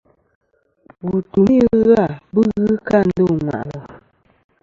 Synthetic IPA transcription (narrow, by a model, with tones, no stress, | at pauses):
wu˨tu˨mi˦ɣa˦˨bɨ˦ɣɨ˦ka˦˨n̩˦do˦˨ŋwa̰˨ʔlɔ˨